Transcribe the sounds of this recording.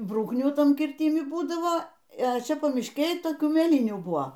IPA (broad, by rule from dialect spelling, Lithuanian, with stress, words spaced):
ˈbruːknʲuː ˈtɐm kʲɪrʲˈtʲɪmʲɪ ˈbuːdɐʋoː ɛ ˈt͡ʃʲɛ pɐmʲɪʃʲˈkʲeːj toːˈkʲuː mʲeːˈlʲiːnʲuː ˈbuɔ